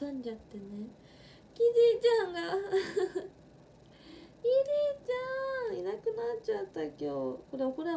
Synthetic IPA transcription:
ãɲd͡ʑat̪ːene | kʲiɾit͡ɕãŋɡa | iɾʲit͡ɕãinakɯ̟nat͡ɕat̪ːakʲoːkoɾekoɾe

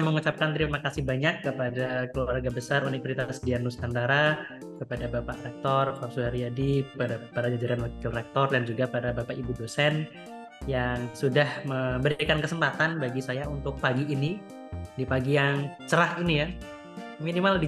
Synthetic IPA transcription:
məŋut͡ʃap̚kant̪ɾimakasihbaɲakːəpadakəluwarɡabəsaɾunifəsit̪asdianːuskandaɾa | kəpadabapaʔrɛk̚t̪ɔrfarsuaɾiadiəpadapadad͡ʒad͡ʒaɾanwakɪlrɛk̚t̪ɔrdand͡ʒuɡapadabapaʔibudosɛn | jaŋsudahməmbəɾikankəsəmpat̪anbaɡisajaunt̪ʊk̚paɡiːni | dipaɡijaŋt͡ʃəɾahinija | minimaldi

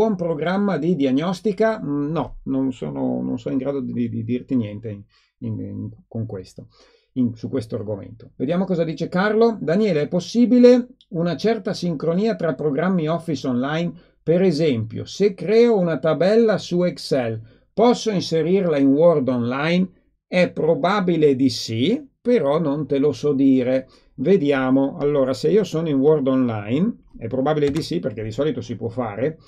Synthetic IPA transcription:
ɔmpɾoɡɾamːad̪id̪iaɲːɔst̪ikanɔnonso̰ːno̰no̰nsonoiŋɡɾaːd̪od̪iid̪id̪irt̪injɛnt̪e | inŋkoŋkwḛst̪o | iŋsukwest̪oarɡomḛnt̪o̥ved̪jaːmokɔːzad̪iːt͡ʃekarlod̪anjeːleɛpːosːiːbile | unat͡ʃɛrt̪asiŋkɾoniːat̪ɾapːɾoɡɾamːiɔfːisonlajn | peɾezɛmpjo̰sekːɾɛːounat̪abɛlːasuɛksɛl | pɔsːoinseɾirlainword̪onlajn | ɛpːɾobabiled̪isipeɾɔnont̪elosɔd̪iːɾe | ved̪jaːmoa̰lːoːɾaseiːosonoiŋword̪onla̰jnɛpːɾobabiled̪isiperk̟ed̪isɔːlit̪osipwɔfa̰ːɾe

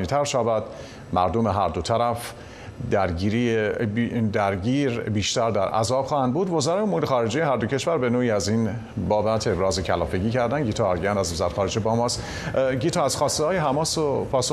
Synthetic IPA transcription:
niːt̪ʰæɾʃæbæd̪̥ | mæ̰ɾd̪ome̞ɦæɾd̪o̞t̪ʰæɾæf | d̪æɾɟiːɾiebd̪æɾɟiːɾbiːʃt̪æɾd̪æɾʔæ̰zɒːb̥xɒːhænd̪̚buːd̪vo̞zæɾɒːjomuɾexɒːɾe̞d͡ʒejeɦæɾd̪o̞cʰe̞ʃvæɾbe̞noːiːæzin | bɒːbæt̪ʰebɾɒːzecʰælɒ̰ːfeɟiːcæɾd̪ænɟiːt̪ʰɒːɾɟænd̪æzvozæɾexɒːɾe̞d͡ʒebɒːmɒːst̪ | ɟiːt̪ʰɒːæz̥xɒːst̪ehɒːjeɦæmɒːsopʰɒːso

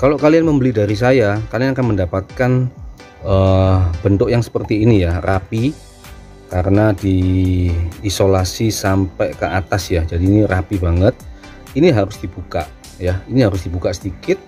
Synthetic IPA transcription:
kaloʔkalianməmbəlidaɾis̬ajakalianakanməndapat̪̚kan | əbənt̪ʊkjaŋsə̥pərt̪iːnijarʔapi | kaɾənadi | solasisampɛkəat̪asjad͡ʒadiːniɾapibaŋət̪̚ | iniɦaɾʊsd̥ibuka̰ʔ | jainiɦaɾʊsdibukaʔsədikɪt̪̚

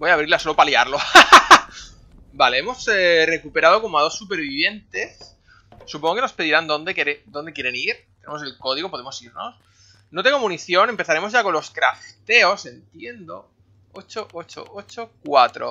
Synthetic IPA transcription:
bojaβ̞ɾiɾlaso̞lopaljaɾlo̞ | baleemo̞sere̞kupe̞ɾaðo̞ko̞moaðo̞sːupe̞ɾβiβje̞nt̪e̞sː | upõŋɡokeno̞spe̞ðiɾand̪o̞nd̪e̞keɾed̪ond̪ekjeɾe̞niɾ | t̪ene̞mose̞lko̞ð̞iɣo̞poðemo̞siɾno̞̰s | not̪e̞ŋɡomuniθjo̞ne̞mpeθaɾe̞mozʝako̞nlo̞skɾa̰ft̪e̞o̞se̞nt̪je̞nd̪o̞̰ | ot͡ʃoʔot͡ʃo̰ʔot͡ʃo̞kwat̪ɾo̞̰

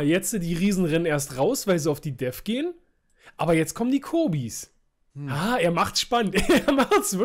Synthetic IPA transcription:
jɛt͡sədiːʁiːzn̩ʁɛnəneːɐstʁaʊsv̥aɪlziaʊfd̥iːdɛfɡ̥eːən | ʔaːbɐjɛt͡skʰɔməndiːkʰoːbiːs | aːʔeːɐmaχtsʃpanənteɐmaχtsv̥ɪ

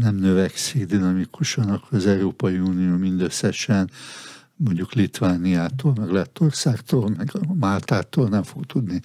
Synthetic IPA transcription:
nɛmnøvɛksiɡd̪inɒmikʰuʃɒnɒkːoɾɒzɛuɾoːpɒjiuːnioːmind̪øsːɛʃɛn | moɲɟuklit̪vaːnijaːt̪oːlmɛɡlɛt̪ːorsaːkt̪oːlmɛɡmalt̪aːt̪oːlnɛɱfo̞ɡt̪ud̪ni

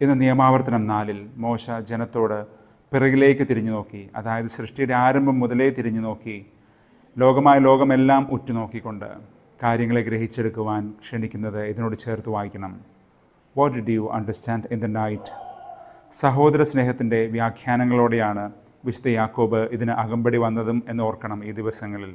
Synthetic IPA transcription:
enːɨnijɐmaːʋɐrt̪ːɐnɐmnaːlilmo̞ːɕɐd͡ʑenɐt̪ːo̞ːɽɨ | pirɐɣile̞ːkːɨt̪iɾiɲːuno̞ːkːiɐ̰ðaːjɐðɨɕrɨʂʈijuɽe̞aːɾɐmbʱɐmːuðɐle̞ːt̪iɾiɲːuno̞ːkːi | lo̞ːɡɐmaːjɐlo̞ːɡɐme̞lːaːmʔutːuno̞ːkːikʲːo̞ɳɖɨ̰ | kaːɾjɐŋːɐɭeɡɾe̞ɦit͡ɕːeɽukːuʋaːnkʂeɳikʲːunːɐðɨiðino̞ːɽɨt͡ɕe̞ːrt̪ːuʋaːjikʲːɐɳɐm | wɔtdɖujuʔɐ̰ɳɖɐrstaːnɖind̪ɐnɐjtːɨ̥ | sɐɦo̞ːd̪ɐɾɐsneːɦɐt̪ːinde̞ʋjaːkʰjaːnɐŋːɐɭo̞ːɽe̞jaːɳɨ | ʋiɕu̥t̪ɐjaːkːo̞ːbɨʔiðinɨʔɐɣɐmbɐɽiʋɐnːɐðume̞nːɨo̞ːrkːɐɳɐmiːd̪iʋɐsɐŋːɐɭil

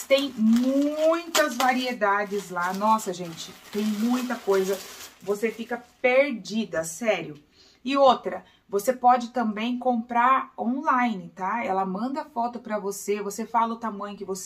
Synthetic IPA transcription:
t̪ẽj̃mũj̃t̪ɐzvaɾied̪ad͡ʒɪzlanɔsɐʒẽnt͡ʃɪ̥t̪ẽj̃mũj̃t̪ɐkojzɐvosefikɐpeɾd͡ʒid̪ɐsɛɾjʊ | ɪot̪ɾɐ | vosepɔd͡ʒɪt̪ɐ̃bẽj̃kõpɾaɾõñlajnɪt̪aɛlɐmɐ̃nd̪ɐfɔt̪ʊpɾɐvosevosefalɐʊt̪amɐ̃jɲʊkɪvos

